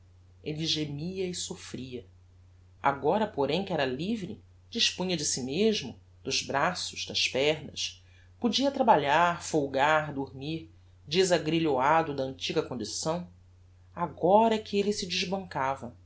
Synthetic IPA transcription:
eliʒemiɐɪsofɾiɐ | a̰ɡɔɾɐpoɾẽj̃kɪɛɾɐlivɾɪ | d͡ʒiʃpũɲɐd͡ʒɪsimeʒmʊ | d̪̥ʊʒbɾasʊ̥ʒ̥d̪ɐʃpɛɦnɐ̰ʃ | pud͡ʒiɐt̪ɾabaʎaɾfowɡaɾd̪uɾmiɾ | d͡ʒɪzaɡɾiʎoad̪ʊd̪ɐə̃nt͡ʃiɡɐkõnd͡ʒisɐ̃w̃ | aɡɔɾɐkɪelɪsɪd͡ʒɪʒbɐ̃ŋkavɐ

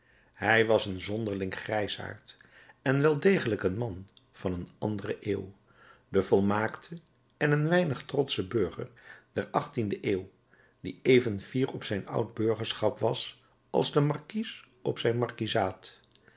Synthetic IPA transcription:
hɛjʋɑsənzɔndəɹlɪŋχrɛjsa̰ːɹt | ɛnʋɛlˠdejχələkənmɑn | v̥ɑnənɑndərəʔḛːw | dəvɔlˠmaːktʰə | ɛnənʋɛjnəχtrɔtsəbøɹχə̰ɹd̥ɛɹɑχtindəʔeːw | diejvənv̥iːɹɔpsɛjnʌ̰wd̚bøɹχəɹsχɑpʋɑs | ɑ̰lˠzdəmɑɹkis | ɔpsɛjnmɑɹkizaːt

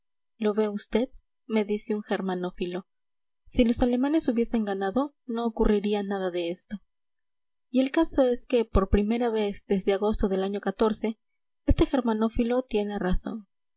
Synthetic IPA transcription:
lo̞βe̞ust̪e̞ð | me̞ðiseuŋxe̞ɾmãno̞filo̞ | silo̞sale̞mãne̞suβje̞se̞ŋɡanaðo̞ | no̞ːkurʔiɾianaðaðe̞e̞st̪o̞ | ie̞lkaso̞e̞ske̞po̞ɾpɾime̞ɾaβe̞zd̪e̞zðe̞aɣo̞st̪o̞ðe̞laɲo̞kat̪o̞ɾse̞ | e̞st̪e̞xe̞ɾmano̞filo̞t̪je̞ne̞raso̞̰n

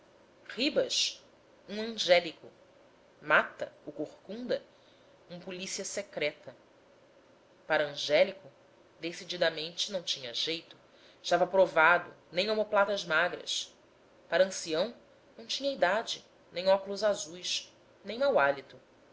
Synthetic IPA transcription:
hibɐʃ | ũɐ̃ʒɛlikʊ | mat̪ɐ̰ʊkoχkũnd̪ɐ | ũmɐpulisiɐsekɾɛt̪ɐ | paɾɐ̃ʒɛlikʊ | d̪esid͡ʒid̪ɐmẽnt͡ʃɪnɐ̃w̃t͡ʃĩɲɐʒejt̪ʊ | ɪʃt̪avɐpɾovad̪ʊ̰ | nẽj̃omoplat̪ɐzmaɡɾɐ̰s | paɾɐɐ̃siɐ̃w̃ | nɐ̃w̃t͡ʃĩɲɐid̪ad͡ʒɪ | nẽj̃ɔkulʊzazujʃ | nẽj̃mawalit̪ʊ

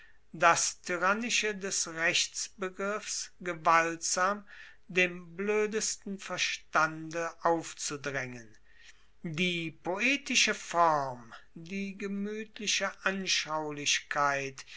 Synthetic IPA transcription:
d̥astʰyʁanɪʃədɛsʁɛçt͡sb̥əɡʁɪfsɡəvaltz̥aːm | deːmbløːdəstn̩fɛɐʃtandəʔaʊft͡sudʁɛŋən | diːpʰoeːtɪʃəfɔʁmdiːɡəmyːtʰlɪʃəʔanʃaʊlɪɕkʰaɪt

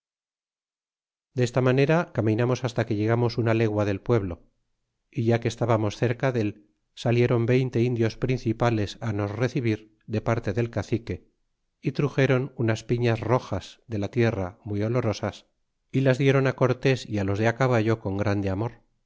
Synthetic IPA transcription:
d̪e̞st̪amane̞ɾakamĩnamo̞sast̪ake̞ʝe̞ɣ̞amo̞sunale̞ɣwaðe̞lpwe̞βlo̞̰ | iʝakeːst̪aβamo̞sθe̞ɾkaðe̞l | salje̞ɾo̞mbe̞jnt̪e̞ind̪jo̞spɾin̟θipale̞sano̞sre̞θiβ̞iɾ | ðe̞paɾt̪e̞ðe̞lkaθike̞ | it̪ɾuxe̞ɾo̞nunaspiɲazro̞xazðe̞lat̪je̞ramwijo̞lo̞ɾo̞sas | ilazðje̞ɾo̞nako̞ɾt̪e̞sialo̞zðeakaβ̞aʎo̞ko̞ŋɡɾand̪e̞amo̞ɾ

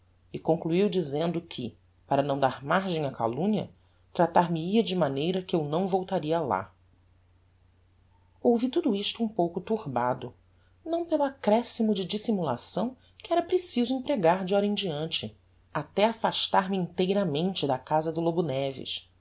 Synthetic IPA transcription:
ɪkõŋkluiwd͡ʒizẽnd̪ʊkʰɪ̰ | paɾɐnɐ̃w̃d̪aɾmaɾʒẽj̃aka̰lũɲɐ̰ | t̪ɾat̪aɾmɪiɐd͡ʒɪmanejɾɐkɪewnɐ̃w̃vowt̪aɾiɐla̰ | owvit̪ud̪ʊiʃt̪ʊũpowkʊt̪uɾbad̪ʊ | nɐ̃w̃pelʊakɾɛsimʊd͡ʒɪd͡ʒisimula̰sɐ̃w̃ | kɪɛɾɐpɾesizʊĩpɾeɡaɾd͡ʒɪɔɾɐẽd͡ʒiɐ̃nt͡ʃɪ | at̪ɛafaʃt̪aɾmɪĩnt̪ejɾɐmẽnt͡ʃɪd̪ɐkazɐd̪ʊlobunɛvɪ̰ʃ

